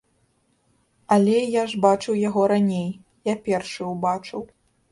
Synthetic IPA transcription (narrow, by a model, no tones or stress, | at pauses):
ɐlʲɛjaʐbat͡ʂɨwjaɣɔɾanʲej | japʲɛrʂɨwbat͡ʂɨw